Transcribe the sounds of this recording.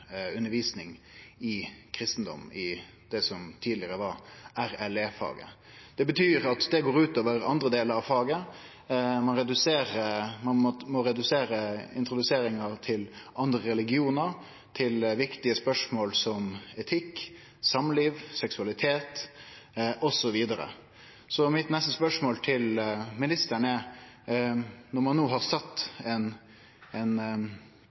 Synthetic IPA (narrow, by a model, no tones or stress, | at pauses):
ʉnːəɾʋiːsnɪŋɪkʰɾɪst̪n̩d̪ɔ̰mɪ | d̪̥ɛsɔmt̪ʰiːd̪lɪəɾəʋɑɾæɾæleːfɑ̰ːɡə̰ | d̪̥ɛbət̪ʰyːɾɑt̪d̪ɛɡoːɾʉːt̪oːʋəɾɑ̰nd̪ɾəd̪eːləɾɑʋfɑːɡə | mɑnɾɛd̪ʉseːɾəmɑnmɔmɔɾɛd̪ʉseːɾəɪ̰nt̪ɾʊd̪ʉseːɾɪŋəɾt̪ʰɪlʔɑnd̪ɾəɾɛlɪɡɪuːnəɾ | t̪ʰɪlʋɪkt̪ɪəspœʂmoːlsɔmɛt̪ʰɪkː | sɑmliːʋsɛksʉɑlɪt̪ʰeːt̪ | ʔɔsɔʋiːd̪əɾə̰ | sɔmɪt̪nɛst̪əspœʂmoːlt̪ʰɪlmɪnɪst̪əɳɛ | nɔɾmɑnːoːɦɑɾsɑt̪ːɛn | ɛn